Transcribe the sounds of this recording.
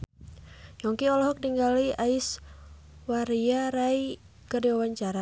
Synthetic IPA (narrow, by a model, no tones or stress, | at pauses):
jɔŋkiɔlɔɦɔk̚niŋɡaliais | waɾiaɾai | kədiwawaɲt͡ʃaɾa